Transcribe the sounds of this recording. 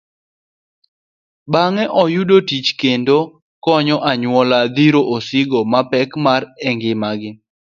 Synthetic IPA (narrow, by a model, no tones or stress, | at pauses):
baŋɛʔɔjudotit͡ʃkendo | kɔɲɔʔaɲwɔlad̪iɾoʔosɪɡomapɛkmaɾɛŋɡɪmaɡɪ